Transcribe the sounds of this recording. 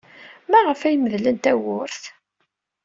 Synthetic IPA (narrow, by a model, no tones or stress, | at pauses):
mæʁəfæjməðlənt̪æwʊɾθ